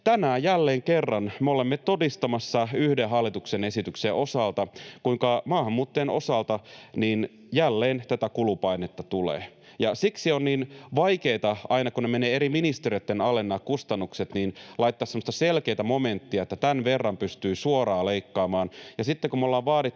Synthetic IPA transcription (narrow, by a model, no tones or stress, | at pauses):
t̪ænæːjælːeːŋkerːɑnmeolemːet̪odist̪ɑmɑsːɑyhdeɦɑlːit̪uksenesit̪ykseʔo̞sɑlt̪ɑkuiŋkɑmɑːhɑmːuːt̪ːeːno̞̰sɑlt̪ɑniːn | jælːeːnt̪æt̪ækulupɑinet̪ːɑt̪ulḛː | jɑsiksionniːnʋɑjkeːt̪ɑɑinɑkunemeneːeɾiminist̪eriot̪ːenɑlenːɑːkkust̪ɑnːukset̪niːnlɑit̪ːɑːsemːost̪ɑselkeːt̪æmoment̪ːiɑet̪ːæt̪ænʋerːɑmpyst̪yːsuoɾɑːleikːɑːmɑːnjɑsit̪ːekumolːɑːʋʋɑːɾit̪ː